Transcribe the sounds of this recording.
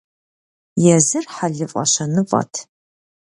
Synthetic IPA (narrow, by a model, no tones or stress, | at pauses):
jɛzɨrħaɮɨfʼɐ̰ɕɐnɨfʼɐ̰tʰ